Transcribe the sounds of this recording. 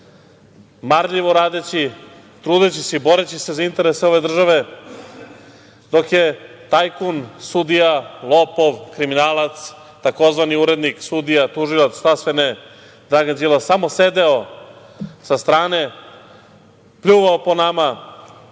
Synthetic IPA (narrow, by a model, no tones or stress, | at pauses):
maɾʎiʋoɾaːd̪et͡ɕi | t̪ɾuːd̪et͡ɕiseibo̞ɾet͡ɕise̞zaint̪e̞ɾeseo̞ʋe̞d̪r̩ʒaʋe̞ | d̪o̞kjet̪ajkunsud̪ijalˠopo̞ʋkɾiminaːlˠat̪s | t̪ako̞zʋaniuɾe̞d̪niksud̪ijat̪uʒilˠat̪st̪asʋene | d̪ɾaɡand͡ʑilasamo̞se̞d̪eo̞ | sast̪ɾaːne̞ | pʎʲuːʋaoponama